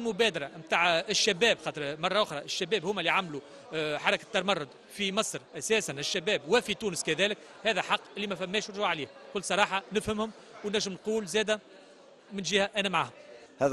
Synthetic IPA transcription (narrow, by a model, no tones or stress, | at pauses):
lmʊbɛːd̪ɑɾˤɑmt̪aːʕɪʃːæbɛːbxɑːt̪ɾmɑrˤːɑʔʊxɾˤɑʔɪʃːæbɛːbhʊːmːælːiʕamlu | ħɑɾˤɑkḁt̪ːɑɾmɑrˤːʊd̪ | fimɑsˤɾʔæsɛːsanɪʃːæbɛːbwɪfit̪uːnəskæðɛːlɪk | hæːðæħɑqːʔɪlːimæfæmːɛːʃɾˤʒuʕaliːhkʊlːsˤɑɾˤɑːħɑnɪfhɪmhʊm | wnːæʒːəmnquːlzɛːd̪æ | mɪnʒiːhæʔænæmʕa̰ːhʊm | hɛ